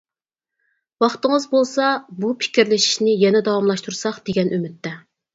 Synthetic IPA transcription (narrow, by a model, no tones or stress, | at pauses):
wɑχt̪əŋəzbolˠsɑbupʰɪ̥kʲiɾlɪʃi̥ʃnɪjɛnɛd̪ɑwɑmlˠɑʃt̪uɾsɑχd̪̥eɡʲɛnʔymɪt̪ːɛ